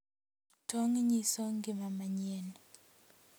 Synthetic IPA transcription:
tʰoŋɲisoŋɡɪmamaɲien

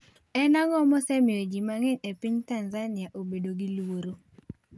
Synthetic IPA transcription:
ɛnaŋɔmɔsɛmɪod͡ʒimaŋɛnepiɲtanzanɪaʔobedoɡiluwoɾo

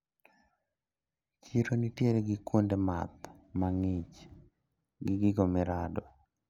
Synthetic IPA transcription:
t͡ʃiɾonitjeɾeɡɪkwondema̰t̪̚maŋɪt͡ʃ | ɡɪɡɪɡomɛɾadɔ

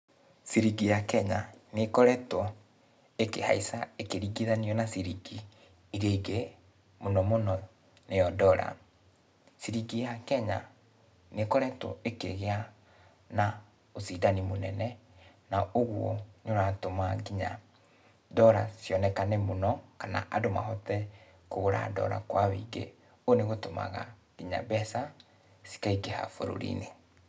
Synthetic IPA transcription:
siɾiɡijakɛɲanekɔɾɛtɔ | ekeha̰isaekeɾiɡiðaniɔnasiɾiɡi | iɾeiɡe | monɔmonɔ | nejɔdɔɾa̰ | siɾiɡijakɛɲa | nekɔɾɛtɔ̰ekḛɣea | na | osidanimonɛnɛ | naoɣwɔnoɾatomaɡiɲa | dɔɾasjɔnɛkanemonɔkana̰ʔadoma̰ɦɔtɛ | koɣoɾa̰dɔ̰ɾa̰kwaβḭːɡḛ | oneɣotoma̰ɣa̰ɡ̥iɲa̰bɛsa | si̥kaiɡeha̰fo̰ɾo̰ɾḭne

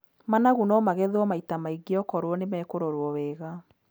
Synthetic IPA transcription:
manaɣunɔmaɣɛðwɔmaitamaiɡeɔkɔɾwɔnemɛːkoɾoɾwɔwɛɣa

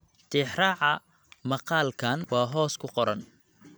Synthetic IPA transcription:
t̪ʰɪːħrɑʕɑ | mɐqɑːlkʰaːnwɑːɦɔːskʰʊqɔɾɐn

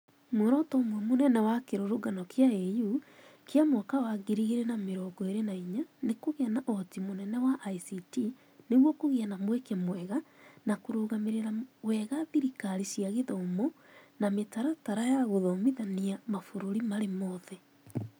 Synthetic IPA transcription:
mwoɾɔtɔmwɛmonɛnɛwakeɾoɾoɡanɔkeaejukeamɔkawaɡiɾiɣeɾenameɾɔɡɔeɾenaiɲanekoɣeanaʔɔtimonɛnɛwaʔaisiti | neɣwɔkoɣeanamwɛkɛmwɛɣanakoɾoɣameɾeɾawɛɣaðiɾikaɾisiaɣeðɔomɔnametaɾataɾajaɣoðɔmiðaniamafoɾoɾimaɾemɔðɛ

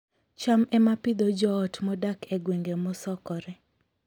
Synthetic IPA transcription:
t͡ʃamɛmapɪd̪ɔd͡ʒɔːtmɔdakʰeɡweŋɡemɔsɔkɔɾɛ

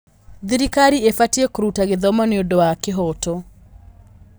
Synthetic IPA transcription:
ðiɾikaɾiefatjekɾutaɡɪðɔmɔneodɔakɪɦɔtɔ

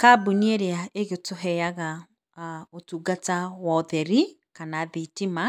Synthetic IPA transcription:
kabunieɾeaeɣetoɦɛjaɣa | otuːɡatawɔðɛɾikanaðitima

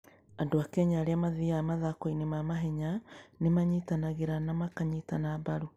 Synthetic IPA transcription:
andoakɛɲaːɾeamaðiamaðakoinemamaɦɛɲanemaɲitanaɣeɾanamakaɲitanaːbaɾu

